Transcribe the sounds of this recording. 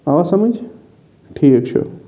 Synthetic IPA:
aʋasɐməd͡ʒ | ʈʰiːkək̚t͡ʃʰo̰

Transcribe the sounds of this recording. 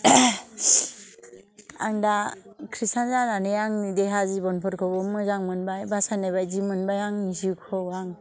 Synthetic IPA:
a̰ŋdakʰɾisanzananejaŋnideɦazibɔnpʰɔɾkʰɔbɔmɯzaŋmɯnbajbasanabajzimɯnbajaŋnizikʰɔaŋ

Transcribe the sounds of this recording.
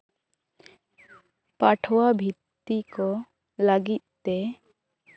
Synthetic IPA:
paʈʰwabʱit̪ːikɔ | ləɡit̪̚t̪e

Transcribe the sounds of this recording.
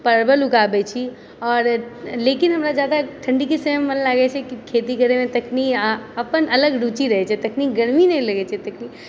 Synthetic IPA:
pəɾbəlʊkaːbɛt͡ʃʰi | ɔːɾleːkɪnɦɐmɾad͡ʒjaːd̪aʈʰə̃ɳɖikisemənlaːɡɛt͡ʃʰɛkikʰeːt̪ikəɾemẽt̪ɐkʰniɐpənɐləɡɖut͡ʃiɾɐɦɛt͡ʃʰɛt̪ɐkʰniɡəɽminɛĩlɐɡɛt͡ʃʰɛt̪ɐkʰni

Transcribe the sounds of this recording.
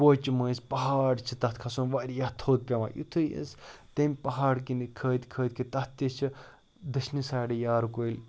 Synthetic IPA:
ot͡ʃimɐːspɐɦaːɽt͡ʃʰit̪ɐt̪̚ʰkʰɐsonʋaːɾʲjɐt̪ʰoːt̪̚pʲɐma̰ːjṵt̪ʰɨjə̰st̪ɐmʲpɐɦaːɽkinɨkʰəːt̪ʲkʰəːt̪̚ʲkʰit̪ɐt̪ʲːit͡ʃʰɨ | d̪ɐʃnisaːɽɐjaːɾkoilʲ

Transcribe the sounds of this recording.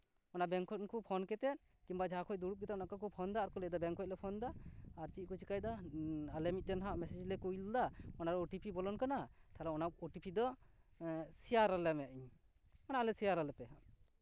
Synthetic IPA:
ɔnaʔbɛŋkʰɔt̪̚kupʰɔnkɛt̪ɛt̪̚ | kimbad͡ʒaakʰɔc̚d̪uɽup̚kɛt̪aɔnaʔkakɔpʰɔnd̪aːɾkɔlɛd̪ɔbɛŋkʰɔc̚lɛpʰɔnd̪aːɾt͡ʃit̪̚kut͡ʃikajd̪aalɛmit̪̚dɛnɦaʔmɛsɛd͡ʒlɛkujld̪aɔnaɾɔʈipʰibɔlɔnkanat̪ʰalɛɔnaɔʈipʰid̪ɔ | sijaɾalɛmɛaʔiɲ | ɔnaʔlɛsijaɾalɛpɛɦaʔ

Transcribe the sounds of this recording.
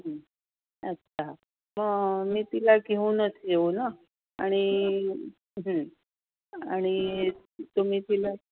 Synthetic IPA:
ɦ | ətːʰa | məɡmĩːt̪ilakeũnət̪ʰieona | aɽ̃i | ɦə | a̰ɽ̃i | t̪omĩːt̪ila

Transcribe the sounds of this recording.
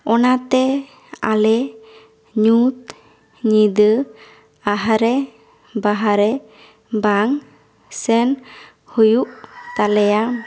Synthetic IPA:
ɔnat̪ɛ | a̰lɛ | ɲut̪ | ɲid̪ə | aɦaɾɛ | baɦaɾɛ | baŋ | sɛn | hujuʔt̪alɛjam

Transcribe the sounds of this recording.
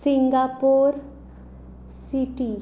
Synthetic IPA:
sɪ̃ŋɡapoːɾ | siʈi

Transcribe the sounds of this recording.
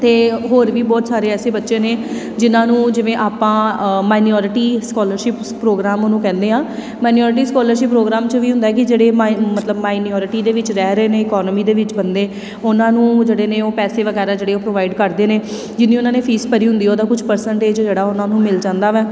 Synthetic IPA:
t̪eːɦoːɾʋiːbɔːt̪saːɾeːɛːseːbətːʃẽːneː | d͡ʒɪnãːnũːd͡ʒɪʋẽːʔaːpãːmaːɪniɔːɾɪʈiːskɔːləɾʃɪpːɾoːɡɾaːmoːnũːkɛ̃ːnd̪eːɦãː | maːniɔːɾʈ̬iːskɔːləɾʃɪpːɾoːɡɾaːmt͡ʃəʋiːɦʊ̃nd̪aːɛːkɪd͡ʒeːɽeːmət̪ləbmaːɪniɔːɾɪʈiːd̪eːʋɪt͡ʃɾɛːɾəeːneːɪkɔːnəmiːd̪eːʋɪt͡ʃbənd̪eː | ʊnãːnũːd͡ʒeːɽeːnẽːoːpɛːseːʋəɡɛːɾaːd͡ʒeːɽeːoːpɾoːʋaːɪɖkəɾd̪eːneː | d͡ʒɪnːĩːʊnãːneːpʰiːspəɾiːɦʊ̃nd̪iːoːd̪aːkʊd͡ʒʰpəɾsəɳʈeːd͡ʒd͡ʒeːɽaːʊnãːnũːmɪld͡ʒãːnd̪aːʋɛː

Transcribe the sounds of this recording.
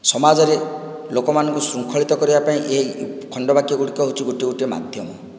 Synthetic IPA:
sɔmad͡ʒɔɾe | lokɔmanɔŋkusɾuŋkʰɔɭit̪ɔkɔɾibapaĩʔeɦikʰɔɳɖɔbakiuɽikɔɦot͡ʃʰiɡoʈiuʈiema̰d̪ʱjɔmɔ

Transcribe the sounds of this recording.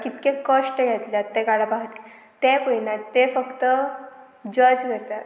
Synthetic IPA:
kit̪kekəʂʈəjat̪ilat̪ːɛkaɽapaɦt̪i | t̪ɛpəinat̪ːefəkt̪ə | d͡ʑəd͡zkəɾt̪at̪

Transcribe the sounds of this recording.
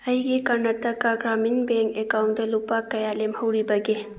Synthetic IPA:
ɐjɡikɐɾnɐtːɐkaɡɾaminbeŋkekawnt̚dɐlupakɐjalemhɐwɾibɐɡe

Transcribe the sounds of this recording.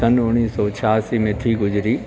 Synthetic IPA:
ɐnʊ̃iːsɔt͡ɕʰaːsimẽt̪ʰiɡʊd͡ʑɾiː

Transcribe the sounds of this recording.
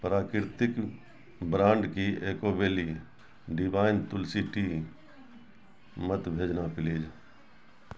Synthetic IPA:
pɾaːkɪɾt̪ɪk | bɾãːɳɖkiʔeːkoːbeːli | ɖɪbaːɪnt̪ʊlsiʈi | mət̪bʱeːd͡ʒnapɪliːd͡ʒ

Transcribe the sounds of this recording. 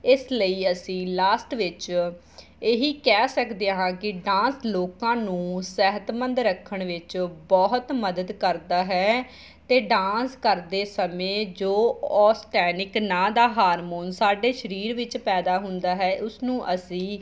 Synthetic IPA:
ɪsləiːəsĩːlaːsʈʋɪt͡ʃ | eɦiːkɛːsəkd̪eːɦãːkɪɖãːsloːkãːnũːsɛːɦət̪mənd̪ɾəkʰːəɳʋɪt͡ʃbɔːɦt̪məd̪əd̪kəɾd̪aːɦɛː | t̪eːɖãːskəɾd̪eːsəmẽːd͡ʒoːɔːsʈɛːnɪknãːd̪aːɦaːɾmoːnsaːɖeːʃəɾiːɾʋɪt͡ʃpɛːd̪aːɦʊ̃nd̪aːɦɛːʔʊsnũːʔəsĩː

